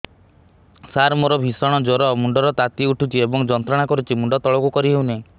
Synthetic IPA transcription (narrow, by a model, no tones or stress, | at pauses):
saɾmɔɾɔbʱisɔɽ̃ɔd͡ʒɔɾɔmuɳɖɔɾɔt̪at̪iuʈʰut͡ʃʰiebɔŋd͡ʒɔnt̪ɾɔɽ̃akɔɾut͡ʃʰimuɳɖɔt̪ɔɭɔkukɔɾiɦewneĩ